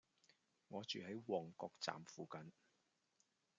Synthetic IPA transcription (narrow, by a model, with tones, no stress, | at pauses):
ŋɔː˨˧t͡ʃyː˨ɦɐ˨˥jwɔː˨˩ŋkɔː˧k̚t͡sa̰ː˨mfuː˨kɐ˨n